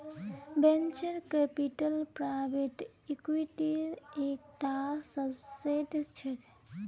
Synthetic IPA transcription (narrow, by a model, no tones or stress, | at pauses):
bent͡ʃəɾkepiʈəlpɾabeʈ | ikwiʈiɾek̚ʈasəbseʈt͡ʃʰɛt̪